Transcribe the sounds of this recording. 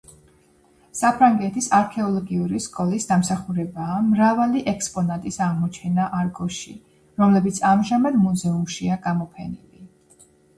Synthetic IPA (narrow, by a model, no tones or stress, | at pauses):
sapʰɾaŋɡɛt̪ʰisaɾkʰɛɔlˠɔɡiuɾiskʼɔlisd̪amsaχuɾɛbaːmɾavaliʔɛkspʼɔnat̪ʼisaʁmɔt͡ʃʰɛnaʔaɾɡɔʃḭ | ɾɔmlɛbit̪sʰamʒamad̪muzɛumʃiaɡamɔpʰɛnḭli